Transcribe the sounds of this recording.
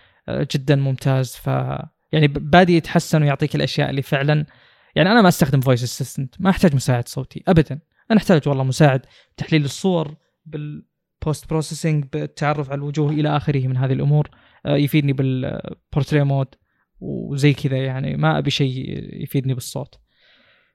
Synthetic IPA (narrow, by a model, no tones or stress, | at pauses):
d͡ʒɪd̪ːanmʊmt̪ʰaːzfa̰ | jaʕnibaːd̪ijɪt̪ħasːanwjʊʕt̪ˤiːkɪlʔaʃja̰ːʔɪ̰lːiːfɪʕlan | jaʕniʔanamaʔast̪axd̪ɪmvoːjs̬ɪsːɪst̪ɪnt̪maʔaħt̪aːd͡ʒmʊsaːʕɪd̪sˤoːt̪ʰḭʔabad̪an | ʔanaʔɪħt̪aːd͡ʒwɑlˤːɑːmʊsaːʕɪd̪ | b̚t̪aħliːlɨsˤːʊwɑɾˤ | bɪl | pʰoːst̪̚bɾoːsesɪŋɡbɪt̪ʰːaʕɑrˤːʊfʕalalwʊd͡ʒuːhʔɪlaʔaxɪɾɪhmɪnɦaːðɪlʔʊmuːɾ | jʊfiːd̪nibɪlpʊɾˤt̪ɾeːmoːd̪ | wzajːkʰɪðajaʕnḭmaʔa̰biʃaːjfiːd̪nibɨsˤːo̰ːt̪